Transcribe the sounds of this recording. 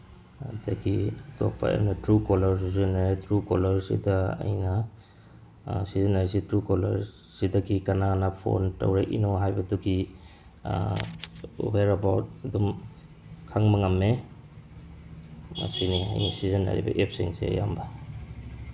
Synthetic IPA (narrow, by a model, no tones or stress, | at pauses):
daɡitopːa̰ja̰mnatɾukolɐɾsizenaɾitɾukolɐɾsḭdaɐ̰jna | sizanaɾisitɾukolɐɾ | sidɐɡikɐnanapʰo̰nta̰wɾaʔinoɦajbɐduɡi | weɾɐbawt̚dum | kʰaŋmaŋamːe | mɐ̰sinia̰jnisizɐnːa̰ɾḭbɐ̰ʔep̚siŋsḛɐ̰jamba